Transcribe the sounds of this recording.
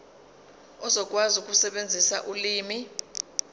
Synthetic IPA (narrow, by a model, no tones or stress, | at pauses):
ɔzɔkʼwazukʼusɛɓend͡zʱisa̰ʔuliːmi